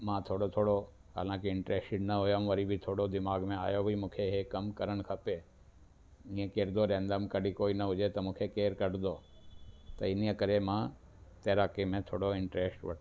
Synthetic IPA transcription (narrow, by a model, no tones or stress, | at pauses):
mãːt̪ʰoːɽot̪ʰoːɽo | ɦa̰ːlãːkeɪ̃ɳʈɾeːsʈɪɖnɐɦojəmʋəɾibʱit̪ʰoːɽod̪ɪmaːɡmẽa̰ːjobʱimũːkʰeɦekɐmkəɾəɽ̃kʰɐpeː | ĩẽkeːɾd̪oɾɛ̃ːnd̪əmkəɖikoːiːnɐɦʊd͡ʒet̪ɐmũːkʰekeːɾkəɽd̪oː | t̪ɐɪniə̃kəɾemãː | t̪eːɾaːkemẽt̪ʰoːɽoɪ̃ɳʈɾeːsʈʋɐʈː